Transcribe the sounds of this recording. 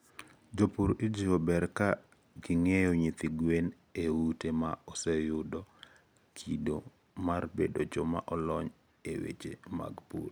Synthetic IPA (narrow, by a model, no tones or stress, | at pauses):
d͡ʒopuɾid͡ʒiɔbɛɾka | ɡɪŋejɔɲit̪iɡwen | ewutemaɔsɛjʊdɔ | kʰido | marbḛdod͡ʒɔma̰ʔɔlɔɲ | ewḛt͡ʃḛma̰ɡpṵl